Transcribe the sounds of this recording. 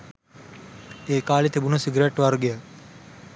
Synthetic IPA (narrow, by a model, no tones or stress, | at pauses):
eːkaːlit̪ʰebunɐsiɡɾeʈʋɐɾɡeja